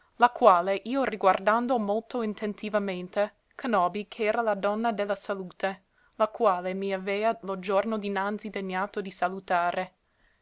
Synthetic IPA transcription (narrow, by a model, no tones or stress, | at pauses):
lakwaːleʔiːoriɡward̪and̪omolt̪oint̪ent̪ivament̪e | kʰanɔːbikʰɛːɾalad̪ɔnːad̪elːasaluːt̪e | lakwaːlemiavɛːalod͡ʒornod̪inant̪sid̪eɲːaːt̪od̪isalut̪aːɾe